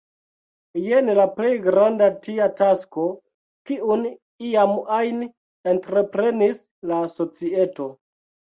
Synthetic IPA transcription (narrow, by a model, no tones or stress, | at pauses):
jenlaple̞jɡɾandatiatasko̞ | kiun | iamajn | entɾe̞pɾe̞nis | laso̞t͡sie̞to̞